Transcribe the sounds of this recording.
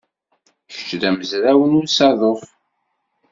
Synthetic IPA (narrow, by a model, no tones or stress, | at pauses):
çə̥t͡ʃːðæməzɾæwənʊsɑðˤof